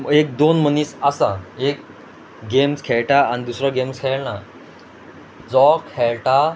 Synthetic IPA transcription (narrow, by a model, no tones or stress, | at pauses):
ek̚d̪onm̤əniːsasaek | ɡemskʰeɭʈaañid̪usɾaɡemskʰɛɭna | d͡zɔkhɛɭʈa